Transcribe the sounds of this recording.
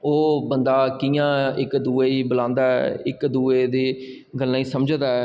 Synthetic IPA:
oːbənd̪aːkijãːɪkd̪uːeːiːbəlãːnd̪aːɛ̰ːɪkd̪uːeːd̪eː | ɡəlːãːiːsəmd͡ʒd̪aːɛː

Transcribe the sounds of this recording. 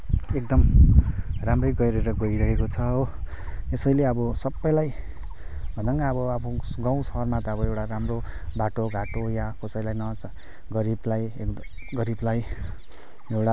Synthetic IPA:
ek̚d̪ʌm | ramrʌjɡʌjɾeɾʌɡʌiɾʌɦekot͡sʰʌ | esʌjleʌbʌsʌbːʌjlaj | bʱʌnd̪ʌŋɡaʌbʌʌbuɡãw̃sʌɦʌrmat̪ʌʌbʌewʈaɾamro | baʈoɡʱaʈojakosʌjlajnʌ | ɡʌɾiblajk | ɡʌɾiblaj | ewʈa

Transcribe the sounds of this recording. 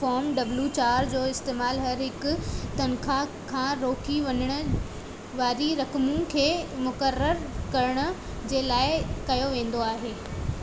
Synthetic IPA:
fɔːɾmɖɐbljut͡ɕaːɾd͡ʑoːɪst̪eːmaːlɦɐɾɦɪkʊ̆t̪ɐnkʰakʰãːɾoːkʰiʋɐɲəɽ̃ʊ̆ | ʋaːɾiɾɐkmũkʰeːmʊkəɾːəɾkɐɾəɽ̃ʊ̆ | d͡ʑeːlaːɪkɐjoʋẽːn̆d̪oaːɦeː

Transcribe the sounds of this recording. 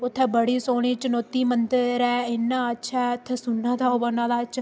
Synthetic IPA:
ʊt̪ʰːɛːbəɽiːsoːɽ̃iːt͡ʃənoːt̪iːmənt̪əɾɛːɪnːãːətːʃʰaɛʊt̪ʰːɛːsʊnːãːt̪aːoːbənãːd̪aːt͡ʃʰ

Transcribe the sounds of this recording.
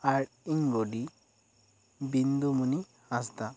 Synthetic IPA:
aʈ | iŋɡoɖi | bind̪umuni | hasd̪a

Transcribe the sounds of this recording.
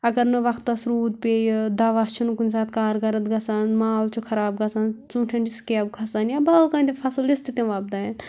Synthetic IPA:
ɐɡɐɾnɨʋɐkt̪ːɐsɾuːd̪̚pejd̪ɐʋast͡ʃʰunukunʲsaːt̪̚kaːɾɡɐɾət̪ɡɐsanmaːlt͡ʃʰukʰɐɾaːbɡɐsant͡suːʈʰɐnɖiskeɐb̚kʰɐsanjabɐlkãːĩt̪epʰɐsɨlist̪it̪ẽʋaːb̚d̪aen

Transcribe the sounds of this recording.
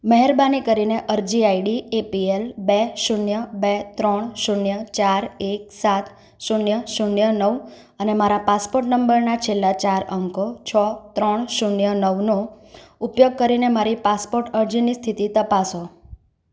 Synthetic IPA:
məɦɛɾbanikəɾineʔəɾd͡ʒiaiɖiepielbeʃunjəbet̪ɾəɳʃuɳjət͡ʃaɾek̚sat̪ʰ | ʃunjəʃunjənəʋ | ənemaɾapaspoɾʈnəmbəɾnat͡ʃʰelːat͡ʃaɾəŋkot͡ʃʰɔt̪ɾəɳʃuɳjənəʋno | upjoɡ̚kəɾinemaɾipaspoɾʈəɾd͡ʒinist̪ʰit̪it̪əpaso

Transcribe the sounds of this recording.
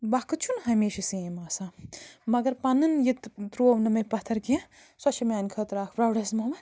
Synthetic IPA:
bɐkʰɨt͡ʃʰunɦɐmeːʃɐsẽmaːsamɐɡɐɾpɐnɨnjit̪t̪ɾoːʋnɐmɐpɐt̪ʰɐɾkiã | sɐt͡ʃʰɐmaːnkʰɐt̪ɾaːkʰbɾɐwɖɐsmɐmɐ

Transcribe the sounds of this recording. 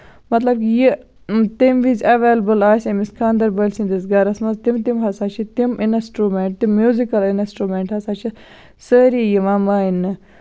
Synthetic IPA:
mɐt̪lɐb̚kiji | t̪imʋizʲɐʋeːlɐbəlaːsʲemiskʰaːnd̪ɐɾbəlʲsind̪isɡɐɾɐsmɐzt̪imt̪imɦɐsat͡ʃʰit̪iminsʈɾumẽɳʈ̚t̪imːjuːzikɐlinsʈɾumeɳʈhɦɐsaːt͡ʃʰi | səːɾijiʋãːmaːinːɨ

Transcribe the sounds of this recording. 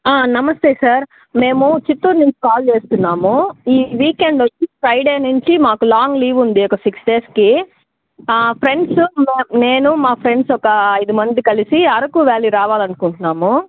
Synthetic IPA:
aːnɐmɐst̪eːsaːɾ | me̞ːmut͡ʃit̪ːuːɾniɲt͡ʃi̥kaːlt͡ʃe̞ːst̪unːaːmuiːʋiːkeɳɖot͡ʃːipʰɾɐjɖeːneɳt͡ʃimaːkulaːŋɡliːʋund̪iɔkɐsiksɖe̞ːski | pʰɾe̞ɳɖsumeːmne̞ːnumaːpʰɾeɳɖsɔkɐːjd̪umɐnd̪ikɐlisiɐɾɐkuʋeːliɾaːʋaːlɐnukuɳʈunːaːmu

